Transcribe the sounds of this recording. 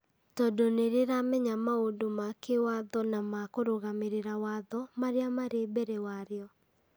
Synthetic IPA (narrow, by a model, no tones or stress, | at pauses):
tɔdoneɾeɾamɛɲamaodomakewaðɔnamakoɾoɣameɾeɾawaðɔmaɾeamaɾebɛɾewaɾeɔ